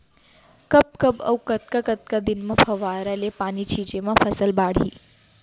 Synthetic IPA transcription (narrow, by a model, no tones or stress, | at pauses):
kɐp̚kɐbɐ̰wkət̪̚kakət̪̚kad̪inmãpʰɐʋaːɾalepaːnit͡ʃʰiːt͡ʃemãpʰəsəlbaːɽ̤ḭː